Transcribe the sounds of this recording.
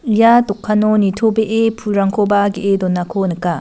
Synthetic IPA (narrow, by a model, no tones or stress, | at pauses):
jatɔkʰːanonitʰobeʔepʰuɾaŋkʰobaɡiʔedɔnakʰonɯka